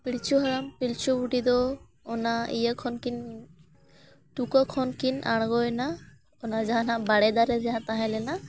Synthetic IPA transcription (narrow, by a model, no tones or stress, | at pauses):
pilt͡ʃʰuɦɔɾampilt͡ʃʰubuʈid̪ɔː | naijəkʰɔnkin | ʈukɔkʰɔnkinʔa̰ɽ̃ɡɔjna | ɔnad͡ʒaɦanabaɽɛd̪aɾɛzɛɦãt̪aɦɛ̃lɛna